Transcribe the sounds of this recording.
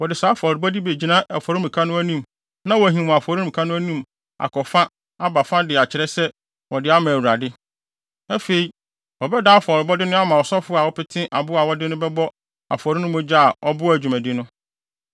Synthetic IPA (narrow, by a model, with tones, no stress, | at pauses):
wɔ˨dɪ˨sa˨˦fɔ˨ɾɪ˨bɔ˦di˦be˨d͡ʑi˨nã˦ʔɛ˨fɔ˨ɾi˦mĩ˨kʰa˦nʊ̃˦æ˦nĩ˦m | nã˦wɔ˨ɦĩ˨mʊ̃˨a˨fɔ˨ɾi˦m̩ĩ˨kʰa˦nʊ̃˦æ˦nũ˦m | a̰˨kʰɔ˨fã˦ | a˦ba˨fã˦dɪ˨a˨t͡ɕʰɪ˨ɾɛ˦sɛ˦ | wɔ˨dɪ˦a˦mã˨wu˨a˨dɪ˦ | æ˦fe˨i˨˦ | wɔ˨bɛ˦da˨˦fɔ˨ɾɪ˨bɔ˦dɪ˦nʊ̃˦a˦mã˨wɔ˨sɔ˦fʊ˦a˨wɔ˦pɪ˦tʰɪ̃˦ʔa˨bʊ˦a˨wɔ˦dɪ˦nʊ̃˦bɛ˦bɔ˦ | a̰˨fɔ˨ɾi˦nʊ̃˦mʊ̃˦d͡ʑa˦a˨ʔɔ˦bʊ˦æ˨d͡ʑᶣu˨mæ̃˨di˦nʊ̃˦